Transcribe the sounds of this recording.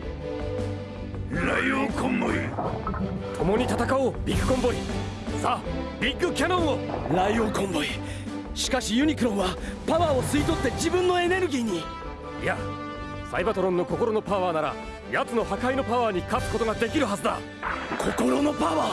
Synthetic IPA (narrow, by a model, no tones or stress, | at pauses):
ɾaioːkõmbo̰i | t̪ʰo̞mo̞ɲ̟it̪at̪akaoːbʲikːɯ̟̥kõ̞mbo̞i | sabʲikːɯ̟kʲanõ̞ɰ̃oɾaioːkõ̞mbo̞i | ɕi̥kaɕijɯ̟ɲ̟ikɯ̟ɾõ̞ɰ̃βapaβaːo̞sɨit̪ot̪ːe̞d͡ʑibɯ̟̃nːo̞e̞ne̞ɾɯ̟ɡʲiːɲ̟i | ja | sa̰ibat̪o̞ɾõ̞nːo̞ko̞ko̞ɾo̞no̞paβaːnaɾa̰ | jat͡sɨno̞ɦakaino̞paβaːɲ̟ikat͡sɨ̥ko̞t̪o̞ɡad̪e̞kʲiɾɯ̟ɦazɨd̪a̰ | kʰo̞koɾo̞no̞paβaː